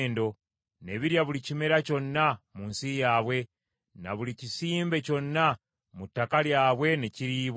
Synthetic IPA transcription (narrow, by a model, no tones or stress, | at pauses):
ndo̞ | ne̞βiɾjaβulicime̞ɾaco̞nːamuːnsijaːβwe̞ | na̰βulicisiːmbe̞co̞nːa | mutːakaljaːβwe̞neciɾiːβ